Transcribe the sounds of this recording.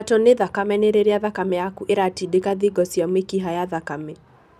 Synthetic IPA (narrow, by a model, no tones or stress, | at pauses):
toneðakamɛneɾeɾeaðakamɛjakuʔeɾatidekaðiɡɔsjamekiɦajaðakamɛ